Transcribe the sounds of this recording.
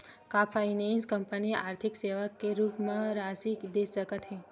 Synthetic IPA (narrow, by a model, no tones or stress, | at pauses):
kapʰainenskəmpəniʔaɾt̪ʰikseʋakːeɾupmãɾasikd̪esəkət̪ɦẽ